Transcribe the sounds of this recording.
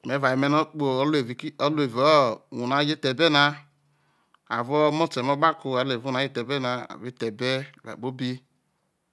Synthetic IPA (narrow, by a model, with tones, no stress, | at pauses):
me˨˦va˨i˨mɛ˦nɔ˦k͡po˨ɔ˦le˨vi˨kɔ˦lo˦e˨vɔ˦˨ũ˨na˨˦d͡ʒe˦tɛ˨bɛ˦na˧ | a̰˨vɔ˦mɔ˦tɛ˨mɔ˦ba˦ku˧a˨˦le˨u˦˨a˨˦e˦tɛ˨bɛ˦na˧a̰˨vi˦tɛ˨bɛ˦˨va̰˨bo˦bi˦